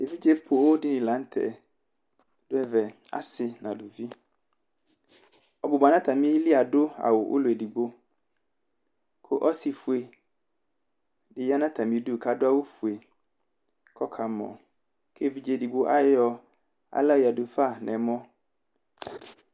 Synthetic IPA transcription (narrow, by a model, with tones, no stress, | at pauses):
e˨vi˦d͡ʒe˦pʰʊ˨˦wdɪ˦nɪ̃˨lã˨˦n̩˦tʰɛ̰˨ | d̥ʊ˦ɛ˦vɛ˨a̰˦sɪ˦nã̰˨dʊ˨vi˦ | ɔ˨bʊ˨ba˨nã˦t̪ʰa˨mĩ˦lɪ˦a˨dʊ˦a̰˨wʊ˨ʔʊ̰˦lʊ˨e˨di˨ɡ͡bo˦ | kʰʊ˦ʔɔ˦sɪ˨fu˨e˨ | dɪ˨ja˦nã˦tʰa˨mĩ˦du˦˨kʰa˨dʊ˦a˦wʊ˦fu˨e˨ | kʰɔ˦kʰa˨mɔ̰̃˨ | kʰe˦˨vi˦d͡ʒe˨di˨ɡ͡bo˦ʔa˦jɔ˨ | a̰˨la˦˨ja˨dʊ˨fa˦˨nʔɛ̰̃˨˦mɔ̃˦